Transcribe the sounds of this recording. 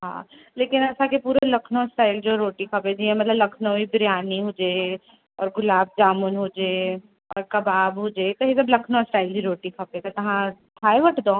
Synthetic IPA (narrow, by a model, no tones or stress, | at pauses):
ɦã̰ː | leːkɪnɐsãkepuːɾelɐkʰnõsʈaːɪld͡ʒoɾoːʈikʰɐpẽd͡ʒiẽmɐt̪ləblɐkʰnoibɾjaːniɦod͡ʒeː | ɔ̰ːɾɡʊlaːb̚d͡ʒaːmʊnɦoːd͡ʒeː | ɔ̰ːɾkɐbaːbɦoːd͡ʒeːt̪oɦesɐblɐkʰnosʈaːɪld͡ʒiɾoːʈikʰɐpẽt̪ot̪ɐɦãt̪ʰaːeʋɐʈʰd̪õː